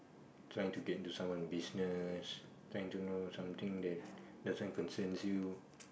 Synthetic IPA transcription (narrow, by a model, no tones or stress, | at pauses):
tʰɹajɪ̃ŋtuɡɛtĩntusãmwɔ̃nbisnəstʰɹaɪ̃ŋtunosãmt̪ĩŋd̪ɛt̚ | dasɔ̃nkɔ̃nsɛ̃nsju